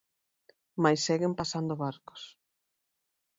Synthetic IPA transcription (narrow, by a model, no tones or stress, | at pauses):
majsːɛɣɪmpasand̪oβaɾko̥s